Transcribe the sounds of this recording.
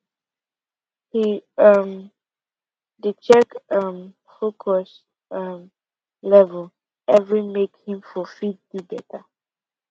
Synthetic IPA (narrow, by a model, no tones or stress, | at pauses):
hiʌm | dət͡ʃɛkʌm | fokʰɔs | ʌm | lɛvəl | ɛvɹimekhĩmfɔfid̚dibɛtʰa